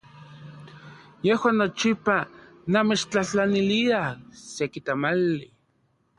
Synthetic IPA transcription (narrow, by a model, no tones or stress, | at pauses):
jehwaːnːot͡ʃipa | namet͡ʃt͡ɬaht͡ɬaniliasekit̪amalːi